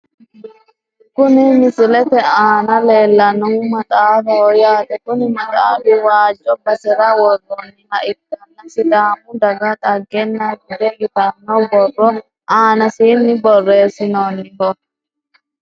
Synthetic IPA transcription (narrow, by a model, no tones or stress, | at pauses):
kʊnɪmɪsɪlɛt̪ɛaːnɐle̞ːlːɐnɔmɐt̪ʼaːɾɔjaːt̪ɛkʊnɪmɐt̪ʼa̰ːd̪ʊwaːd͡ʒʼɔbɐsɛɾɐwɔɡɔnːɪnɐʔɪdːɐnːɐsɪd̪aːmʊd̪ɐɡɐt̪ʼɐɡːɛnːɐɡɪd̪ɛɡɪt̪ɐnːɔbɔrːɔ | ʔaːnɐsiːnːɪbɔrːe̞ːsɪnoːnːɪkɔ